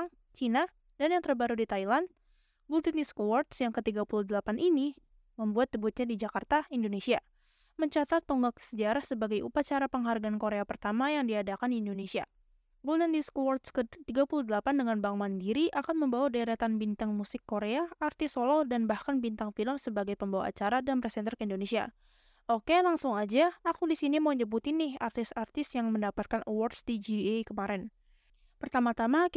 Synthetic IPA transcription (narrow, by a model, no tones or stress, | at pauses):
ŋ | t͡ʃina | danjaŋt̪ərbaɾudit̪ailand | bult̪ɛniskuwart̪sjaŋkət̪iɡapuluhdəlapanʔini | məmbuat̪̚dəbut̪̚ɲadid͡ʒakart̪aindonesia | məɲt͡ʃat̪at̪ːɔŋɡaksəd͡ʒaɾahsəbaɡajʔṵpat͡ʃaɾapəŋɦarɡaːnkoɾeapərt̪amajaŋdiadakandiːndonesia̰ | bult̪ɛniskuwart̪skət̪iɡapuludəlapandəŋanbaŋmandiɾiʔakanməmbawadaɾat̪anbint̪aŋmusɪkːoɾeaːrt̪ɪsolɔdanbahkanbint̪aŋfiləmsəbaɡajpəmbawa̰a̰t͡ʃaɾadanpɾɛsɛnt̪ərkəindonesia̰ | ʔokelaŋsʊŋad͡ʒaːkudisinimoɲəbut̪inɪhart̪ɪsart̪ɪst̪jaŋməndapat̪̚kanəwɔrdsdid͡ʒikəmaɾɛn | pərt̪amat̪ama